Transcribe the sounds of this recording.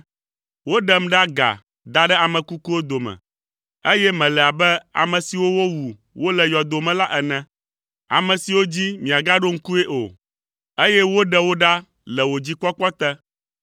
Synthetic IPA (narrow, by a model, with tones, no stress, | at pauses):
wo˦ɖɛ˦m̩˦ɖa˦ɡa̰˨ | d̪a˦ɖɛ˦a˨mɛ̃˨ku˦ku˦wo˦d̪o˨mɛ̰̃˨ | e˦jɛ˦mɛ̃˨lɛ˨a˨bɛ˦a̰˨mɛ̃˨si˨wo˦wo˦wu˨ | wo˦lɛ˨jɔ˨d̪o˨mɛ̃˨la˦ʔɛ˨nɛ̃˨ | a̰˨mɛ̃˨si˨wo˦d͡ʑi˦mĩ˨a˨ɡa˦ɖo˦ŋ̩˦ku˦e˦ʔo̰˨ | e˦jɛ˦wo˦ɖɛ˦wo˦ɖa˦ | lɛ˨wo˨d͡ʑi˦k͡pɔ˦k͡pɔ˦t̪ɛ˦